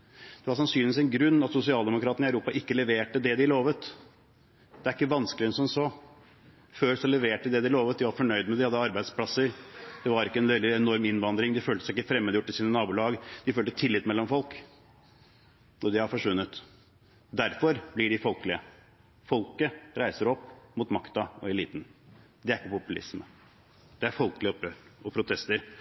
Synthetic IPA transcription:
d̪̥ɛʋɑɾʂ̬ɑnsyːnɪʋɪsɛnɡɾʉnːɑt̪sʊsɪɑːld̪ɛmʊkʰɾɑːt̪ənəɪɑʉɾuːpɑʔɪkːəlɛʋeːʈəd̪ɛd̪ɪloːʋət̪ | d̪̥ɛæɾɪkːəʋɑnskəlɪɛnsɔmsoː | føːɾsɔlɛʋeːʈəd̪ɛd̪ɪloːʋət̪d̪ɪʋɑɾfɔɳœʏd̪mɛd̪ɪhɑd̪ːəɑɾbæɪd̪spʰlɑsəɾd̪̥ɛʋɑɾɪkːəɛnʋɛld̪ɪɛnɔɾmɪnʋɑnd̪ɾɪŋd̪ɪføːlt̪əsæɪɪkːəfɾɛmːəːd̪əjʊʈːɪsiːnənɑːbuːlɑːɡəd̪ɪføːlt̪ət̪ʰɪlːɪt̪mɛlːɔmfɔlk | ʔɔd̪ɪhɑɾfɔʂʋʉnːət̪ | d̪æɾfɔɾblɪɖɪfɔlkəlɪə | fɔlkəɾæɪsəɾɔpːmʊt̪mɑkt̪ɑɔɛliːt̪n̩ | d̪ɛæɾɪkːəpʊpʉlɪ̰smə | d̪̥ɛæɾfɔlkəlɪəɔpjøːɾɔpʰɾʊt̪ʰɛst̪əɾ

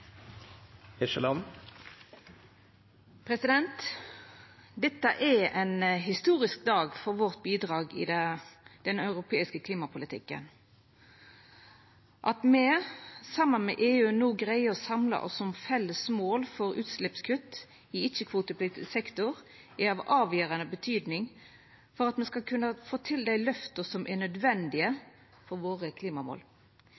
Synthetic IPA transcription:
ɪʃəlɑn | pʰɾɛsɪd̪ɛnt̪ | d̪ɛt̪ːəʔɛɛnɦɪst̪uːʁɪsk̚d̪ɑːɡfɔʁʋɔʁt̪̚biːd̪ʁɑːɡɪ̰d̪ɛd̪̥ɛnœʉʁʊpʰeːɪskəkʰliːmɑpʰʊlɪt̪ʰɪkːə̰n | ʔɑt̪mɛsɑmːənmɛ̰ʔeːʉːnuːɡʁæɪəɔsɑmlɑ̰ʔɔ̰sːɔmfɛlːəsmoːlfɔɾʉ̰ːt̪slɪpskʰʉt̪ː | ɪɪçəkʰʋuːt̪əpʰlɪsɛkt̪ʊʁ | ɛɑʋɑːʋjøːʁɑnəbət̪ʰyːd̪nɪŋ | fɔʁɑt̪mɛskɑkʰʉnːəfoːt̪ʰɪld̪æɪlœft̪əsɔmʔɛnœd̪ʋɛnd̪ɪə | fɔʁʋoːʁəkʰliːmɑmo̰ːl

